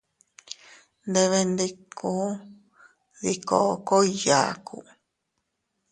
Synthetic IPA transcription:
nd̪e˧βe˧nd̪i˧ku˦ | ði˧ko˧ko˦i˧ja̰˨kʰṵ˦˧

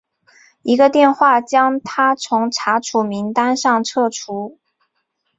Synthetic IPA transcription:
i˧˥ɡə˧t̪jɛ˥˧nxwa˥˩t͡ɕjɑ˥ŋt̪ʰa˥t͡sʰʊ˧˥ŋʈ͡ʂʰa˧˥ʈ͡ʂʰu˨˩mi˧˥ŋt̪a˥nʂɑ˥˧ŋʈ͡ʂʰɤ˥˩ʈ͡ʂʰu˧˥

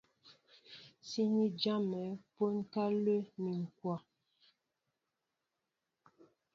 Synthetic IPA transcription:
si˦ni˦d͡ʒa˦mɛ˨˦po˦nka˦lə˦mi˨ŋ̩˨kwa˨

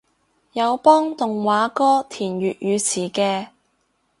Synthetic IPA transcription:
jɐ˨˧wpɔː˥ŋt̪ʊ˨ŋwaː˨˧˥kɔː˥t̪ʰiː˨˩njyː˨t̚jyː˨˧t͡sʰiː˨˩kɛː˧

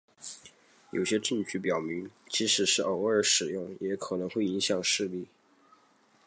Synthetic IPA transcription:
jo̰˨˩ʊɕjɛ˥ʈ͡ʂɤ˥˧ŋt͡ɕʰy˥˩pjɑ˨˩ʊmi˧˥ŋt͡ɕʰi˧˥ʂɻ̩˨˩ʂɻ̩˥˩ʔə˧˩˥ə˞˧˥ʂɻ̩˨˩jʊ˥˩ŋjɛ˧˥kʰɤ˨˩nɤ˧˥ŋxwe˥˩ɪi˧˥ŋɕjɑ˨˩ŋʂɻ̩˥˧li˥˩

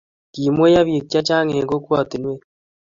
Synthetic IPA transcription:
ki˨mwe˦ja˦βje˨k̚t͡ʃa˦t͡ʃa˦ŋe˨ɡo˦kwa˦˨t̪i˨nwe˦

